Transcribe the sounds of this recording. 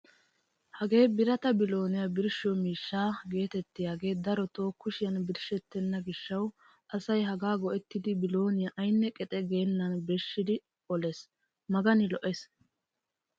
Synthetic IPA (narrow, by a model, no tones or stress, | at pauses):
hɐɡe̞ːbɪɾɐt̪ɐbɪlo̞ːnɪjabɪɾʃomiːʃːaːɡe̞ːt̪ɛt̪ːɪjaːɡe̞ːd̪ɐɾɔt̪o̞ːkːʊʃɪjɐnbɪɾʃɛt̪ːɛnːɐɡɪʃːɐw | ʔɐsɐjɦɐɡaːɡɔʔɛt̪ːɪd̪ɪbɪlo̞ːnɪjaʔɐjnːɛkʼɛt̪ʼɛɡeːnːɐnbɛʃːɪd̪ɪ | ɔlɛs | mɐɡɐnɪlɔʔɛs